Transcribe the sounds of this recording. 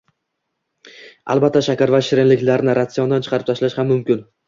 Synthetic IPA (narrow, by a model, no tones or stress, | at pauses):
a̰lˠbat̪ːaʃakʲaɾvaʃɪɾɪnlɪkʲlaɾnɪɾʔat̪sijɒnd̪ant͡ʃʰɨ̥qʰɑɾɪp̚t̪ʰaʃlaʃhamːʊmkʲɪn